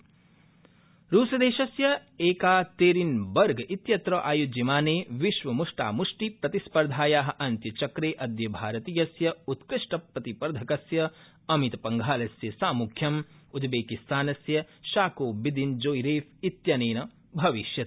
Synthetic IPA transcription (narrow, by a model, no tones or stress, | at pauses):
ɾuːsɐd̪eːʃɐsjɐeːkaːt̪eːɾinbɐɾɡʱɐʔit̪jɐt̪ɾɐːʔaːjud͡ʒɐmaːneːʋiʃʋɐmuʂʈa̰ːmuʂʈipɾɐt̪ispɐɾd̪ʱaːjaːɦɐ̆ʔɐnt̪jɐt͡ʃɐkɾeːʔɐd̪jɐbʱaːɾɐt̪iːjɐsjɐut̪kɨʂʈɐpːɐt̪ipɐɾɐd̪ʱɐkɐsjɐ | ɐmit̪ɐpɐŋɡʱaːlɐsjɐsaːmukʰjɐm | ud̪beːkist̪aːnɐsjɐ | ʃaːkoːbid̪ind͡ʒoːjiɾeːfit̪jɐneːnɐ | bʱɐʋiʃjɐt̪